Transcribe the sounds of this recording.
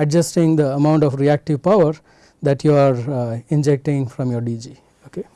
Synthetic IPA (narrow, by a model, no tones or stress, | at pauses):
ɛɖd͡ʒəsʈɪ̃ŋd̪əəmãʊ̃ɳʈɔfɾiæk̚ʈiʋpaʊəɾ | d̪æʈjuaɾɪ̃nd͡ʒek̚ʈɪ̃ŋfɾɔ̃mjɔɾɖid͡ʒi | oke